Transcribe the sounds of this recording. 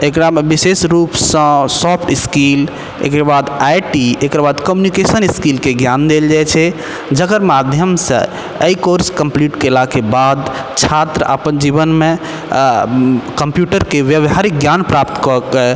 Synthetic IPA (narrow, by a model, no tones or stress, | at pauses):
ekɾamebisesɾupsə̃sɔpʰʈiskil | ḛkəɾbad̪ajʈiekɾbad̪kəmjunikesəniskilkeɡjand̪eld͡ʒajt͡ʃʰɛ | d͡ʒəkəɾmad̪ʱjəmsə̰̃ | əikoɾskəmpliʈkelakebad̪ | t͡ʃʰat̪ɾəʔə̰pənd͡ʒiβənme | kəmpjuʈəɾkeʋjəʋɦaɾik̚ɡjanpɾap̚t̪kɔkɛ